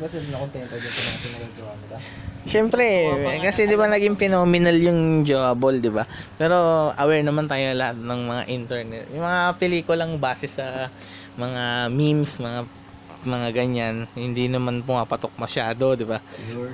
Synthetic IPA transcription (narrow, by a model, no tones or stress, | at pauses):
bɐsɛnɐkont̪ɛnt̪ɐdɪnt̪ɐnɐɐɪnɐɡɪd͡ʒoabolɐ | ʃɛmpɾɛkɐsɛd̪ɪbanɐɡiŋpɛnoːmɪnaljʊŋd͡ʒoabold̪ɪbapɛːɾo̞ʔɐwɛɹnɐmant̪aːjolɐhat̪̚nɐŋmɐŋa̰ʔɪnt̪ɛɹnɛt̪jʊŋmɐŋapɛliːkʊlɐŋbaːsɛsɐ | mɐŋamimsmɐŋa | mɐŋaɡɐɲːanhɪnd̪inɐmanpʊmapɐt̪ok̚mɐʃaːd̪o̞d̪ɪba